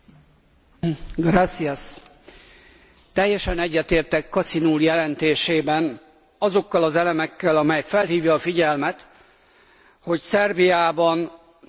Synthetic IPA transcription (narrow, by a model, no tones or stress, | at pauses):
ɡrasiɛs | t̪ɛjːɛʃɛnɛɟːɛt̪eːrt̪ɛkːɒt̪sinuːljɛlɛnt̪eːʃeːbɛn | ɒzo̞kːɒlɒzɛlɛmɛkːɛlɒmɛjfɛlɦiːvjɒːfiɟɛlmɛt̪ | ho̞csɛrbijaːbɒn